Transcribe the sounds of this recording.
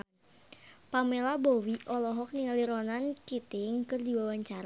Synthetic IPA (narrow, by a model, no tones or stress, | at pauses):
pamelabowiʔɔlɔɦɔk̚niŋaliɾɔnankit̪ɪŋkɨrdiwawaɲt͡ʃaɾa